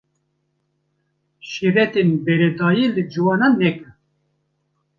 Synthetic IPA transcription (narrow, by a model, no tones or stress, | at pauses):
ʃiɾɛt̪enbɛɾɛd̪ɑːjiːlɨd͡ʒɨwɑːnɑnːɛkɨ